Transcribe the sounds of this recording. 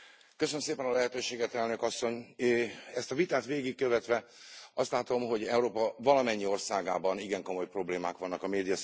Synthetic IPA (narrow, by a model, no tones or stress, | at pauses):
køsønømseːpɛnɒlɛɦɛt̪øːʃeːɡɛt̪ɛlnøkɒsːo̞ɲ | ɛst̪ɒvit̪aːt̪ʋeːɡik̚kø̞vɛt̪ʋɛ | ɒst̪laːt̪o̞mɦo̞ɟɛuɾoːpɒvɒlɒmɛɲːio̞rsaːɡa̰ːbɒniɡɛŋko̞mo̞jpro̞bleːmaːkʋɒnːɒkɒmeːd̪ijɒ